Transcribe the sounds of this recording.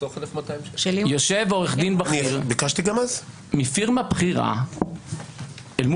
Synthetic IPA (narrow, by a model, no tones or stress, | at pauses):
oχlefmat̪ajmʃelijoʃevoʁeχd̪inbaniʁbikaʃt̪iɡamaz | mifiʁmabχiʁa̰ | elmu